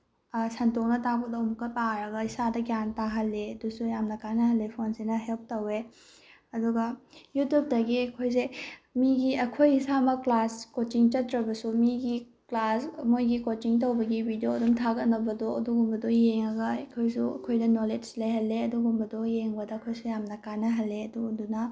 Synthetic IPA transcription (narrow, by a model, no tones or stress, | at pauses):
santok̚nɐtapɐdwmukːɐpaɾɐɡɐisadɐkjantaɦɐlːeɐdusujamnɐkajnɐɦɐlːepʰonsinɐɦelp̚tɐwe | ɐduɡɐjutjup̚dɐɡiɐkʰojsemiɡiɐkʰojisamɐklaskot͡ʃiŋt͡ʃɐtɾɐbɐsumiɡi | klasmojɡikot͡ʃiŋtowbɐɡibʱidijoːdumtʰaɡɐtnɐbɐdoɐduɡumbɐdojeŋɐɡɐɐkʰojsuɐ̰kʰojdɐnoled͡ʒlejɦɐlːeɐduɡumbɐdojeŋbɐdɐːkʰojsujamnɐkanɐɦɐlːeɐduɡudunɐ